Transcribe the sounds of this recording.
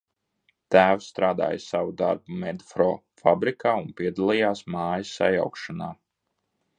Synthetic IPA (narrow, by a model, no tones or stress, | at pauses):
t̪æːwst̪ɾaːd̪a̰ːjsavud̪aɾbumɛd̪fɾɔː | fabɾikaːunpiɛd̪alˠijaːsmaːjɐsa̰ja̰wkʃanaː